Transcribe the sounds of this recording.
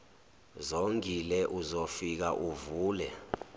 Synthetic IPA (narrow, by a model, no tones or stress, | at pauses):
zoŋilɛʔuzofik̬aʔuvuːlɛ